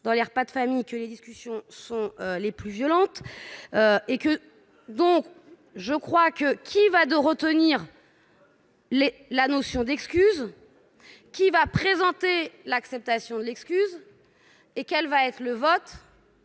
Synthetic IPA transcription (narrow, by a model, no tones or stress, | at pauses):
d̪ɑ̃lɛʁpad̪əfamijkəled̪iskʲysjɔ̃sɔ̃øleplyvjɔlɑ̃t̪øekə | d̪ɔ̃k | ʒəkχwakəkʲʰivad̪əʁət̪əniʁ | lelanosjɔ̃d̪ɛkskʲyz | kʲivapχezɑ̃t̪elaksɛp̚t̪asjɔ̃d̪əlɛkskʲyz | ekʲɛlvaɛt̪χələvɔt̪